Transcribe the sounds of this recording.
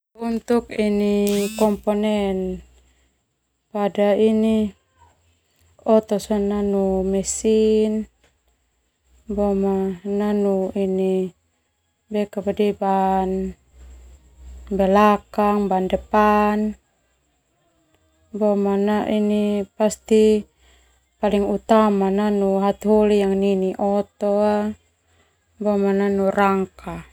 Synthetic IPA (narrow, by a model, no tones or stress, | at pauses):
unt̪uk̚inikɔmpɔnɛn | padaini | ɔt̪ɔsɔnanumɛsin | bɔmananuini | bɛkabadiban | bɛlakaŋbandɛpan | bɔmanaʔinipast̪i | paliŋut̪amananuɦat̪ɦɔlijaŋniniʔɔt̪ɔa | bɔmananuraŋka